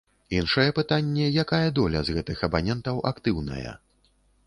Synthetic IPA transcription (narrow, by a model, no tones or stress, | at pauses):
inʂɐjɛpɨt̪anʲːɛjakajɐd̪ɔlʲɐzɣɛt̪ɨxɐbanʲɛnt̪ɐwʔakt̪ɨwnɐ̰jɛ̰